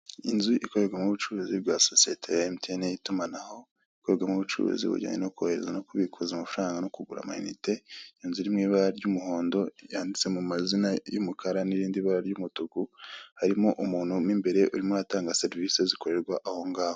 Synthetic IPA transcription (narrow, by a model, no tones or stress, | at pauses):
ḭnzuʔiko̞βeɾɡwamuβut͡ʃuɾuzibɡaːso̞sietʰejaemtʰenejitumanaho̞ | ikoɾeɡwamuβut͡ʃṵɾṵzḭβṵɟa̰ːɲenokuhe̞ɾe̞̰zanokuβikʰuzaumafuɾaːŋɡanokuɡuɾa̰ma̰jḭnite̞inzuɾimŋiːβaɾaɾɟumuho̞ːndo̞jaːndit͡se̞mumazinajomukʰaɾaniɾiːndiβaɾaɾɟumutuɡuhaɾimoʔumuːn̥hunimbe̞ɾe̞ʔuɾimuataːŋɡaseɾvise̞ziko̞ɾe̞ɾɡwaʔaho̞ŋɡaːho